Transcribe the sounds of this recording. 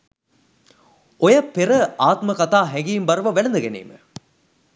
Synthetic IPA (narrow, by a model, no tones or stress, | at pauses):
ojɐpeɾɐaːt̪mɐkɐt̪aːɦɛŋɡijimbɐɾʋɐʋɛlɐnd̪ɐɡenḛːmə̰